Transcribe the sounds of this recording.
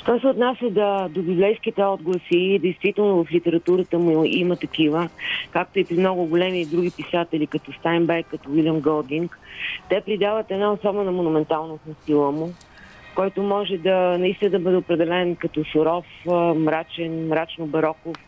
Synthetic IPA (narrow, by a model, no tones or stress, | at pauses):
ʃt̪ɔsɛot̪nasʲəd̪ɐd̪obʲublɛjskit̪ɛɔd̪ɡlˠəsid̪ɛjst̪vit̪ɛlˠnʊvɐflit̪ɛɾɐt̪uɾət̪əmuimət̪ɐk̟ivəkak̚t̪oipɾimnɔɡʊɡʊlɛmid̪ɾuɡʲipisat̪ɛlikɐt̪ɔst̪ajmbɛɾkːɐt̪ɔwilʲjəmɡəlˠd̪iŋkt̪ɛpɾid̪avət̪ɛd̪naosɔbɛnɐmonumɛnt̪alˠnofnɐst̪ilˠəmʊ | kɔjt̪omɔʒɛd̪ɐnɐist̪inəd̪ɐbɤd̪ɛopɾɛd̪ɛlɛnkɐt̪ɔsʊɾɔfmɾat͡ʃɛnmɾat͡ʃnobɐɾɔkof